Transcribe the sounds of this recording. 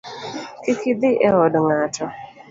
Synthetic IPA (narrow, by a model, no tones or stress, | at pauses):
kɪkɪd̪ɪʔɛɦɔdŋatʰɔ